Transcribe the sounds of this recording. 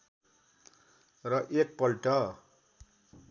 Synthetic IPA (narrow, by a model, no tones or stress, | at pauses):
rʌʔek̚pʌlʈʌ